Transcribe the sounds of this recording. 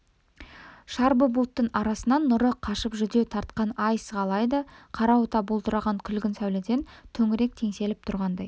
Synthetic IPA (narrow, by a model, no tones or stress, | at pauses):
ʃɑɾbəbʊlˠt̪ːəɴɑɾɑsənɑnːʊɾəqʰɑʃəpʒʏd̪e̞wt̪ʰɑɾt̪qɑnɑjsʁɑlˠɑjd̪əqʰɑɾɑwot̪ɑbolˠt̪əɾɑʁɑŋkʲʰʏlɡʲɪnsæwlɪd̪e̞nt̪ʰɵŋɪɾe̞k̚t̪ʰe̞ŋse̞lɪp̚t̪ʰʊɾʁɑnd̪ɑj